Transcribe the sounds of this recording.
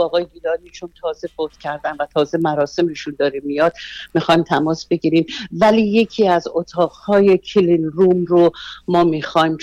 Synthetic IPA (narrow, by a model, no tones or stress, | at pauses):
ɒːɣɒːjeiːlɒːd̪iʃʰunt̪ʰɒːze̞fot̪cʰæɾd̪ænvæt̪ʰɒːze̞mæɾɒːse̞miʃund̪ɒːɾemijɒd̪̥mixɒːjmt̪ʰæmɒːsb̥e̞ɡiːɾiːmvæliːje̞cʰiːæzot̪ʰɒːʁhɒːje̞kʰilinɾuːmromɒːmiːxɒjm